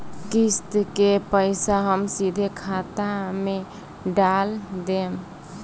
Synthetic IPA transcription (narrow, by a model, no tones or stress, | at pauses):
kist̪kepəɪsaɦəmsid̪ʱekʰat̪ame | ɖald̪em